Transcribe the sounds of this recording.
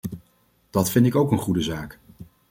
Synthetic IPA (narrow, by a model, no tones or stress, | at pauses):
d̥ɑtfɪntɪkowkənχudəzaːk